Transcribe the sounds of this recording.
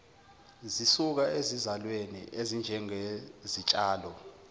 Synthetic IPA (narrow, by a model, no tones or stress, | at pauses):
zisuk̬aezizalwenḭʔezind͡ʒʱɛŋezit͡ʃʼaːlɔ